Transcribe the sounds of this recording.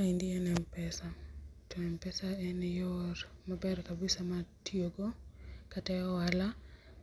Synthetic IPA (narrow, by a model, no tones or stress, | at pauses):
aindiɛnɛmpɛsatɔɛmpɛsaɛnɛjɔɾmabɛɾkabɪsamatioɡɔkatajɔala